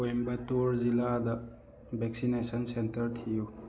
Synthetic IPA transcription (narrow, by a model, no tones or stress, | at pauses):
oimbɐt̪oɾzilad̪a | beksinesənsentəɾt̪ʰijo